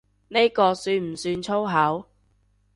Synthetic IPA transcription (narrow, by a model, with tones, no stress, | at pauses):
ne˥jkɔː˧syː˧nm̩˨˩syː˧nt͡sʰo˥wɦɐ˨˥w